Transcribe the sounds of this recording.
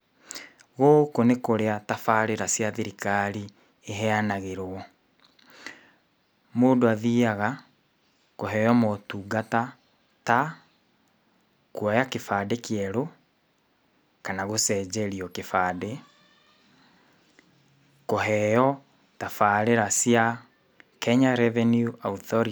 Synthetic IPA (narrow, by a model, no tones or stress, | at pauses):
ɣokonekoɾeatafaɾeɾasjaðeɾikaɾi | eɦɛanaɣeɾoɔ | moːndoaðiaɣa | koɦɛjɔmɔtuːɡata | ta | kwajakefaːdekeɛɾo | kanaɣosɛːd͡ʑɛɾiɔkefaːde | koɦɛjɔ | tafaːɾeɾasja | kɛɲaɾɛvɛnjuʔauθɔɾi